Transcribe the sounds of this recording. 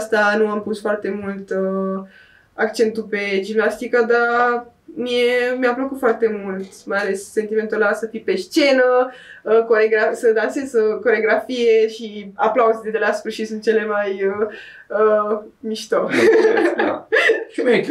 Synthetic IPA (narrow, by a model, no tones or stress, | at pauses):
st̪anuampusfoart̪e̞mult̪ə | akt͡ʃe̞nt̪upe̞d͡ʒimnast̪ikəd̪a | mie̞mjapləkut̪foart̪e̞mult̪majale̞sːe̞nt̪ime̞nt̪ulasəfipe̞st͡ʃe̞nə | koɾeɡɾasəd̪anse̞zəko̞ɾeɡɾafije̞ʃiaplauzed̪ed̪elaspuʃisunt̪̚t͡ʃe̞le̞majə | ə | miʃt̪o